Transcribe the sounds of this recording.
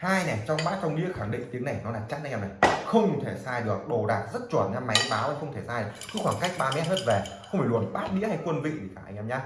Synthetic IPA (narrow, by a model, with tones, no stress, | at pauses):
haː˧jnɛ˨˩t͡ɕɔ˧wŋ͡mɓaː˦˥t̚t͡ɕɔ˧wŋ͡mnḭ˧˥əxa˧˩ŋɗḭ˧˨ŋt̪i˨˦əŋna˨˩jnɔ˨˦laː˨˩t͡ɕa˦˥a˧ʔːmna˨˩jxə˧wŋ͡mu˨˩t̪ʰe˧˩saː˧jɗɨ˨˩ək̚ɗo˨˩ɗaː˨˩t̚zə˦˥t̚t͡ɕwə˧˩nɲa˧ma˨˦jɓaː˨˦wa˧˩jxə˧wŋ͡mt̪ʰe˧˩saː˧jkɨ̰˧˦xwaː˧˩ŋka˦˥jk̚ɓaː˧mɛ˦˥t̚ɦeː˦˥t̚ve˨˩xxə˧wfaː˧˩lu˨˩ənɓaː˦˥t̚nḭ˧˥əha˧jkwə˧nvḭ˧˨t̪i˨˩kaː˧˩ʔa̰˧jŋ̟ɛ˧mɲa˧